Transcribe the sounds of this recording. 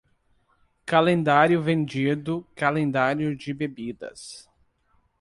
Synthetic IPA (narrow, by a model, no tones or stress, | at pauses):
kalẽnd̪aɾjʊvẽnd͡ʒid̪ʊkalẽnd̪aɾjʊd͡ʒɪbebid̪ɐ̰s